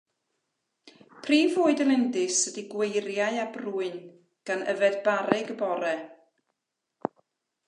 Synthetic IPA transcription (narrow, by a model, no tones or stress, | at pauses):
pʰriːvoːɨdəlˠɪndɨsədiɡwejɾjaɨabruːɨn | ɡ̥anə̰vɛdbaɾɪɡəbɔɾɛ